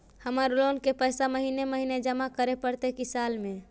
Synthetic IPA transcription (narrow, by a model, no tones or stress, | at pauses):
həməɾlonkepəjsaməɦineməɦined͡ʒəmakəɾepəɾt̪ekisalme